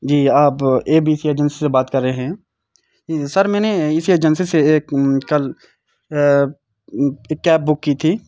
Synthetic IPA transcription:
d͡ʒiːaːpeːbiːɪsieːd͡ʒənsisebaːt̪kɐɾːeɦɛ̃ː | sɐɾmɛ̃ːneɪsied͡ʒənsiseeːkkːɐl | eːkːɛːp̚bʊkːiːt̪ʰiː

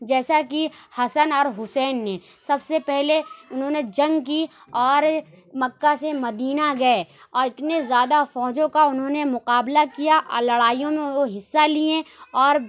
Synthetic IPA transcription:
d͡ʒɛːsakihɐsənɔːɾɦʊsɛːnːẽsɐbsepɛɦleʊnɦõned͡ʒɐ̃ŋɡki | ɔːɾ | mɐkːasemɐd̪iːnaɡɐe | ɔːɾɪt̪nezjaːd̪afɔːd͡ʒõkaʊnɦõnemʊqaːblakijaʔlɐɽaːijõmẽoɦɪsːaliẽɔːɾ

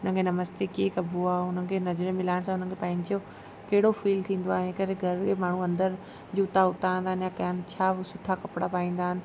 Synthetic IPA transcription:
ʊn̤ənkʰenɐməst̪ekiekɐbʱoaːʊn̤ənɪ̆kʰenɐzɾemɪlaːɪɽ̃s̬ãʊn̤ən̆kʰepɐ̃ːɪ̃ɲd͡ʑo | kɐɦɪɽofiːlt̪ʰĩːn̆d̪oaːɦɪ̃ekɐɾeɡʱɐɾkʰemaːɳ̤ũɐ̃nd̪əɾ | d͡ʑuːt̪aʊt̪aːə̃nd̪aːɦənjakɐjanɪ̆t͡ɕʰaːsʊʈʰakɐpɽapaːĩːn̆d̪aːɦɪnɪ̆

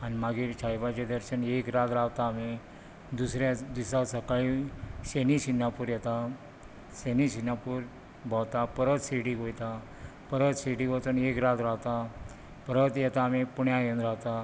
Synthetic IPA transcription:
animaɡiːɾt͡ɕʰajbat͡ɕed̪əɾɕənekɾat̪ɾawt̪aːmi | d̪usɾjad̪isasəkaɭisenisinːɡapuːɾjɛt̪a | senisinɡapuːɾ | bawt̪apəɾət̪siɽiːɡojt̪a | pəɾət̪siɽiːɡot͡s̪ənekɾat̪ɾawt̪a | pəɾət̪jɛt̪aːmipuɳjajənd̪ɾawt̪a

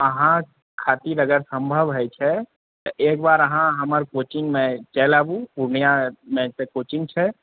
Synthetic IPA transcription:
əɦã | kʰaːt̪iɾəɡəɾsə̃mbʱəʋɦɛt͡ʃʰɛ | t̪ʔeːkbaːɾəɦãɦɐməɾkoːt͡ʃɪŋɡmẽt͡ʃɛːlaːbũpuɾɳijamẽsekoːt͡ʃɪŋɡt͡ʃʰɛ

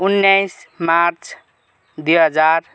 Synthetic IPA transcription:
unːjajsmaɾt͡sʰ | d̪ujɦʌd͡zaɾ

